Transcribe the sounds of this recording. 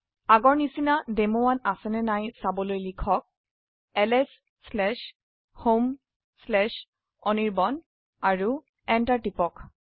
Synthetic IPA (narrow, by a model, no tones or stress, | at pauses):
aɡɔɹnisinademowanasɛnɛnajsabɔlojlikʰɔk̚ | ɛlɛs | slɛʃ | hom | slɛʃ | ɔniɹbɔn | aɹu | ɛntaɹʈipɔk